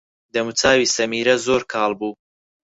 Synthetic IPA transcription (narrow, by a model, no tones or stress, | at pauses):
d̪ɐmut͡saːwiːsɐmiːɾɐzoːɾkʰɑːlˠbuː